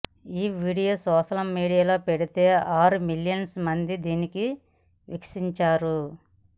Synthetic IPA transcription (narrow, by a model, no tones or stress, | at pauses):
iːʋiːɽijoːsɔːʃɐlɐmmiːɽijaːlo̞ːpeɽit̪e̞ːʔaːɾumiljɐnsmɐnd̪id̪iːniki | ʋḭksiɲt͡ʃaːɾu